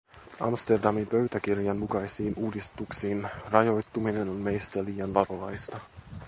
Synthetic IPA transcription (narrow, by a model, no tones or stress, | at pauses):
ʔɑ̰mst̪erdɑmimpø̞ɥt̪æk̟irjɑnmukɑjsiːnuːdist̪uksiːnrɑjo̞jt̪ːuminenonme̞jst̪æliːjɑnʋɑɾoʋɑjst̪ɑ